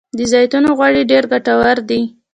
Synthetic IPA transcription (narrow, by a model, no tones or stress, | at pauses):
d̪əzɑjt̪unoɣwɑɽiɖeɾɡaʈawaɾd̪i